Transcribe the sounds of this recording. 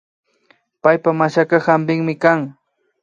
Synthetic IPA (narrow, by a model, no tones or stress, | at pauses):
pajpamaʃakahambɪŋmɪkaŋ